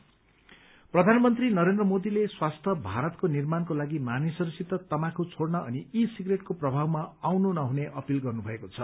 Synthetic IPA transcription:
prʌd̪ʱanʌmʌnt̪rinʌɾend̪rʌmod̪ileswast̪ʰʌbʱaɾʌt̪konirmankolaɡimanisʌɾusit̪ːʌt̪ʌmãkot͡sʰoɽnʌʔʌniisiɡreʈkoprʌbʱawmaawnunʌɦuneʔʌpilɡʌrnubʱʌekot͡sʰʌ

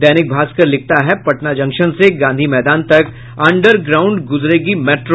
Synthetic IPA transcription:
d̪ɛːnɪk̚bʱaːskɐɾlɪk̚ʰt̪aɦɛpɐʈnad͡ʒɐ̃ŋkʃənseɡãːnd̪ʱimɛːd̪aːnt̪ɐk | ɐ̃ɳɖəɾɡɾaːʊ̃ɳɖɡʊzɾeːɡimɛːʈɾ

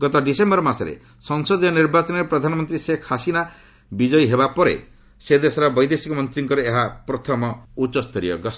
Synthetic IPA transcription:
ɡɔt̪ɔɖisembɔɾɔmasɔɾḛ | sɔŋsɔd̪ijɔniɾbat͡ʃɔnɔɾepɾɔd̪ʱanɔmɔnt̪ɾisekʰasina | bid͡ʒɔjɦebapɔɾḛ | sed̪esɔɾabɔjd̪esikɔmɔnt̪ɾiŋkɔɾeeɦapɾɔt̪ʰɔmɔut͡ʃɔst̪ɔɾḭɔ̰ɡɔs

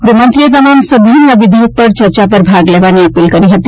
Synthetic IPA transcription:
ɡɾumʌnt̪ɾijd̪ɔnonsəbʱiinəbid̪ʱiuk̪̚pəɾt͡ʃʌɾt͡ʃapəɾbʱaɡlebaniʌpilkʌɾiɦʌt̪ː

